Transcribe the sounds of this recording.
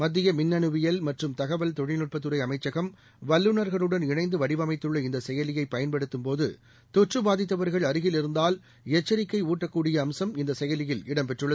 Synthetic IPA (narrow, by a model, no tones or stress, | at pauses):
mɐd̪ːɪjɐmɪnːɐɳɯʋɪjɐlmɐʈrɯmt̪ɐɣɐʋɐlt̪ɔɻɪnɯʈ̚pɐt̪ːɯɾɐɪɐmɐɪt͡ʃːɐɣɐm | ʋɐlːɯnɐɾɣɐɭɯɽɐnɪɳɐɪnd̪ɯʋɐɽɪʋɐmɐɪt̪ːɯɭːɐɪnd̪ɐsɛjɐlɪjɐɪpːɐjɐnpɐɽɯt̪ːɯmpoːðɯ̰ | t̪ɔʈrɯbaːðɪt̪ːɐʋɐɾɣɐɭɐɾɯɣɪlɪɾɯnd̪aːl | ɛt͡ʃːɐɾɪkːɐɪuːʈːɐkːuːɽɪjɐːmsɐmɪnd̪ɐsɛjɐlɪjɪlɪɽɐmpɛʈrɯɭːɐ